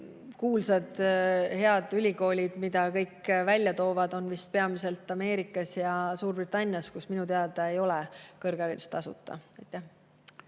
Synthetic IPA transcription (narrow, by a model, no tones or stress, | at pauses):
kuːlsɑd̪̥he̞ɑd̪̥ylʲiko̞ːlʲid̪̥mid̪̥ɑkɤjkːvælʲjɑt̪o̞ːvɑd̪̥o̞nvist̪̚pe̞ɑmise̞lt̪ːˑɑme̞ːɾikːˑɑsjɑsuːrb̥rit̪ːˑɑnʲːjɑskusminut̪eɑd̪ɑejo̞lɛkɤrɡ̥ɑɾit̪u̥st̪ɑsṵt̪ːˑɑ̰ɑjt̪ːˑæh